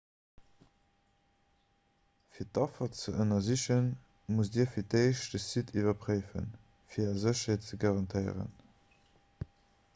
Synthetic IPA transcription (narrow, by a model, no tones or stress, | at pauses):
fiːɐt̚ːɑfɐt͡səʔənɐziɕən | mus̬diːɐfiːɐteɪʃdəsitʰivɐpʁəɪfə̰n | fiːɐːɐzəɕɐhet̚t͡səɡɑʁɑntʰəɪ̰ʁə̰n